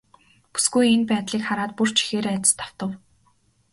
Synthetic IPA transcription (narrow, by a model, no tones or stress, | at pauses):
pu̥sɡujenpæːt̪ɮiːkχaɾaːt̪̚pur̥t͡ɕʰi̥xeːɾeæt̪ʲɪ̥̆st̪ʰḁw̥t̪ə̆w